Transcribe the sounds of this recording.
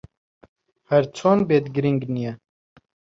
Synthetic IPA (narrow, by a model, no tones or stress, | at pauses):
hɐɾt͡sʰoːnbeːt̪ɡɾiŋɡnijɛ